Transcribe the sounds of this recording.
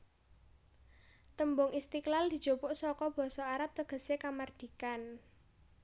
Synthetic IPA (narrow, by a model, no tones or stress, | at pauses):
t̪əmbʊŋʔist̪iklald̪̥i̤d̥ʒ̥o̤pʊʔsɔkɔb̥ɔ̤sɔaɾap̚t̪əɡ̥ə̤sekamard̪̥i̤kan